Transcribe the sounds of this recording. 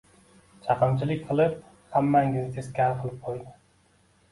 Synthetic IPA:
t͡ʃʰɑqɨmt͡ʃʰilɪkʲqʰɨlˠɨp̚ | hæmːæŋɡʲinɪt̪ʰeskʲʰæɾqʰəlˠɨp̚qʰojd̪ɪ

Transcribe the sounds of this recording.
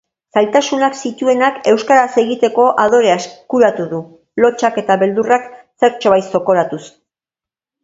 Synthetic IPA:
salt̪asunaksit̪ue̞nake̞wskaɾase̞ɣit̪e̞ko̞ʔað̞o̞ɾeaeskuɾat̪uðu | lo̞t͡ʃake̞t̪aβe̞ld̪urakse̞ɾt͡ʃo̞βajso̞ko̞ɾat̪us

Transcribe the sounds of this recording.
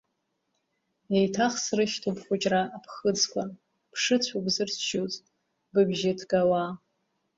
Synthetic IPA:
ejtʰaχsrɨʃtʰupʰχʷʊt͡ʃʼraʔːpʰχəd͡zkʷʰan | pʰʂɨt͡ɕʷʰabzɨrʰt͡ʃʰot͡sʼ | bɨbʒatʰɡawa

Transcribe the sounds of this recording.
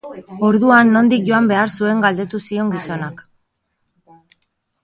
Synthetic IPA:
o̞ɾðuanːo̞nd̪ik̚ʝo̞ambe̞aɾsue̞ŋɡald̪e̞t̪usio̞ŋɡiso̞nak

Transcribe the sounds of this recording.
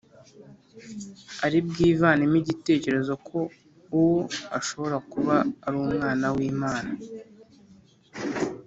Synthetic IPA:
aɾib̚ɡiːvaːnimiɟite̞ːce̞ɾe̞zo̞kʰo̞ | uwoaʃo̞βo̞ɾakuβaːɾuːmŋaːnawiːmaːna

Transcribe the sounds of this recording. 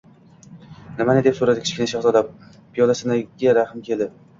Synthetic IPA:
nɪmanɪd̪e̞psoɾad̪ɪkʲʰɪ̥t͡ʃʲkʲɪnaʃaχzɒlap̚ | pʰijɒlasɪnaɡʲaɾahɪmkʲʰe̞lˠd̪ɪ

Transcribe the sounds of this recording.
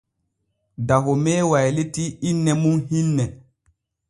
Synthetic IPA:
daɦomɛːwajletiinːɛmunɦinːɛ

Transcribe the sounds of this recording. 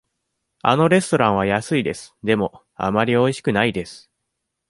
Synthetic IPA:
a̰no̞ɾe̞sɨ̥t̪o̞ɾãɰ̃β̞ajasɨid̪e̞sɨ̥d̪e̞mo̞ | a̰maɾʲio̞iɕi̥kɯ̟naid̪e̞sɨ̥

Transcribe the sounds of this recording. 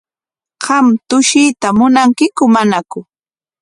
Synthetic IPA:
ɢɑmt̪ʊʃiːt̪amʊnaŋkɪkʊmanakʊ

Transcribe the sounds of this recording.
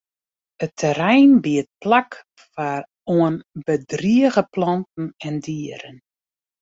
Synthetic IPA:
ətʰəɾɛjnbiət̚plak | far | oənbədriəɣəplɑntn̩ɛndiəɾən

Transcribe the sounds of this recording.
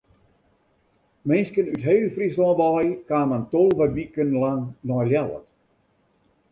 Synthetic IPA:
mɪnskənytɦeːlfrislɔ̃ːʋɔjkaːməntɔlˠʋəʋikənlaŋnɔjljalə̰t

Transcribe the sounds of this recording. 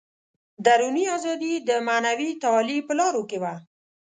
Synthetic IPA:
d̪aɾuniazɑd̪id̪əmanawit̪ɑːlipəlɑɾokewa

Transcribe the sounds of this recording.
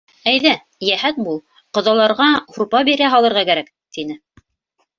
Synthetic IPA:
æjðæ | jæhæt̪̚bulˠ | qŏðɑlˠɑɾʁɑhuɾpɑbiɾæɦɑlˠɤ̆ɾʁɑkæɾæk | t̪inɘ

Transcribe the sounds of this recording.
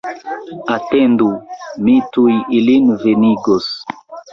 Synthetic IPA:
atendumitujilinveniɡos

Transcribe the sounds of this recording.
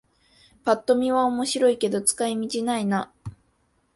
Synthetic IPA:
pat̪ːo̞mʲiβao̞mo̞ɕiɾo̞ike̞d̪o̞t͡sɨ̥kaimʲit͡ɕinaina

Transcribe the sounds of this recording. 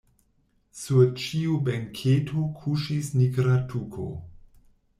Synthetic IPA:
suɾt͡ʃiubeŋkʰetʰokʰuʃisniɡɾatʰukʰo̰

